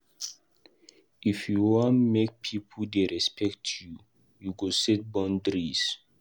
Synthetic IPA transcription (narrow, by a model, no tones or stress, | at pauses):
ifjuwɔ̃nmek̚pʰipʰəldeɹɛspʰɛktʰju | juɡosɛt̚bɔ̃ndɾis